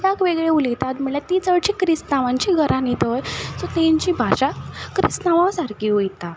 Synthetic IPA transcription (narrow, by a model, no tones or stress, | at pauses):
dakʋeɡɭeuliɡt̪at̪m̤əɭlat̪it͡səɽt͡ɕikɾist̪naʋãɲt͡ɕiɡʱəɾʔãnit̪ojt͡sot̪eɲt͡ɕiːbʱaɕakɾist̪naʋãsaɾkiujt̪a